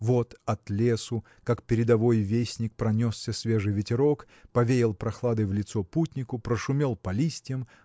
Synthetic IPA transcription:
vo̞t̪ɐt̪lʲe̞sʊ | kakpʲɪɾʲɪd̪ɐvo̞jvʲesʲnʲɪk̚pɾɐnʲosːʲəsʲvʲe̞ʐɨjvʲɪtʲɪɾok | pɐvʲeɾʲɪlˠpɾɐxlˠad̪ɨvlʲɪt̪soputʲnʲɪkʊpɾəʂʊmʲe̞lˠpɐlʲisʲtʲjəm

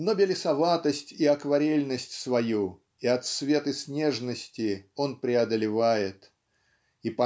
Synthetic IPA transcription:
nobʲɪlʲɪsɐvat̪əsʲtʲiɐkvɐɾʲelʲnəsʲtʲsvɐju | iɐt̪svʲe̞t̪ɨsʲnʲe̞ʐnəsʲtʲɪo̞npɾʲɪɐd̪əlʲɪvajɪt̪ | ipɐ

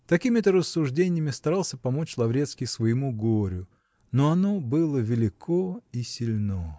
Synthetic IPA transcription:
t̪ɐkʲimʲɪt̪əɾəsːʊʐdʲenʲɪjəmʲɪst̪ɐɾɑlˠsʲəpɐmot͡ɕlˠɐvɾʲet̪skʲɪjsvəjɪmuɡoɾʲʊ | noɐnobɨlˠəvʲɪlʲɪkʰoisʲɪlʲno

